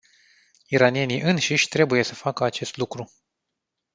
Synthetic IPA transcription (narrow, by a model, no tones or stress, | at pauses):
iɾanije̞niʔɨnʃiʃʲt̪ɾe̞buje̞səfakəat͡ʃe̞st̪lukɾu